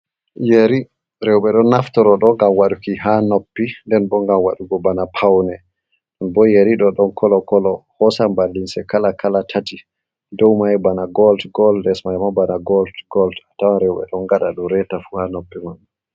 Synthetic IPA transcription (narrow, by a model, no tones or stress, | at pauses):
jeɾi | ɾɛwɓɛɗɔnːaftɔɾɔɗɔŋɡamwaɗukiɦanopːindɛnbɔŋɡamwa̰ɗuɡɔbanapʰawnɛ | ɗɔnbɔjeɾiɗɔɗɔnkʰɔlɔkɔlɔhɔsambalːinsɛkalakʰalatʰati | dɔwmajbanaɡɔldɡɔldɛsmajmabanaɡɔldɡɔldatawaɾɛwɓɛ̰ɗɔnɡaɗaɗumɾɛtafuhanopːimaɗu